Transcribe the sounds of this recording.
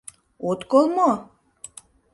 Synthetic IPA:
ot̪kolˠmo

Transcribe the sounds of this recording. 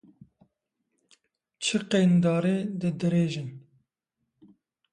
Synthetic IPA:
t͡ʃʰɨqeːnd̪ɑːɾeːd̪ɨd̪ɨɾeːʒɨn

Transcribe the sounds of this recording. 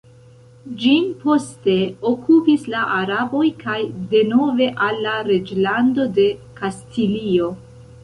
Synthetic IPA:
d͡ʒimpo̞ste̞o̞kʰupislaʔaɾabo̞jkajde̞no̞ve̞ʔalːaɾe̞d͡ʒlando̞de̞kastilio̞

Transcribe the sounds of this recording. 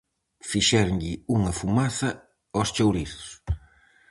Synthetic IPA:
fiʃɛɾɲʎɪuŋɐfumaθɐ | ost͡ʃowɾiθʊs

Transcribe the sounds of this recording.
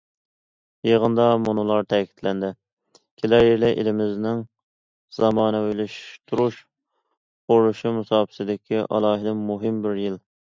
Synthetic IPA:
jeʁənd̪ɑmunulˠɑɾt̪ʰɛkʲʰi̥t̪ʰlɛnd̪ɪ | kʲʰelæɾjeɾlɛʔḛlɪmɪznɪŋ | z̥ɑmɑːnɨelyʃt̪ʰuɾuʃ | qoɾluʃimusɑːpʰɪ̥sɪd̪ɪkʲʰiʔɑ̰lˠɑːɦɪlɪmuɦɪmbɪɾjil

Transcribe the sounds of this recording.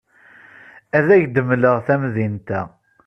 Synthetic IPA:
æðæʝd̪əmːləʁθæmðint̪æ

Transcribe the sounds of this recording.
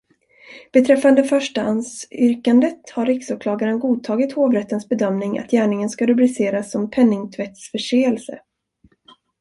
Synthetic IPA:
b̥ɛt̪ʰɾɛfːand̪əfœʂʈaansʏɾkand̪ət̪haɾːɪksʊkʰlɑːɡaɾənɡuːt̪ʰɑːɡɪt̪hoːvɾɛt̪ːənsbɛd̪œmnɪŋa̰t̪jæːɳɪŋənskaɾɵblɪseːɾasːɔmpʰɛnːɪŋt̪ʰvɛt̪sfœʂeːɛlsə̰

